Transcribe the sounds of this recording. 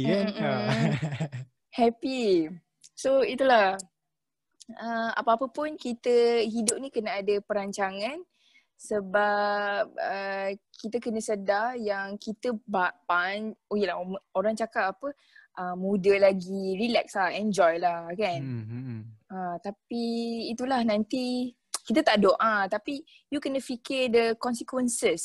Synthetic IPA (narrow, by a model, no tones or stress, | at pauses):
hɛpi | soit̪ulah | əa̰pəapəpʊnkit̪əɦidʊp̚nikənaadəpəɾaɲt͡ʃaŋãn | səbap̚əkit̪əkənəsədarjaŋkit̪əbapanojəlaoɾaŋt͡ʃakap̚apə | ʔəmudəlaɡirilɛk̚slahɛnd͡ʒɔjlahkan | at̪apiːt̪ulahnãnt̪i | kit̪ət̪aʔdoʔat̪api | jukənəfikɪrdəkɔnsikwənsəs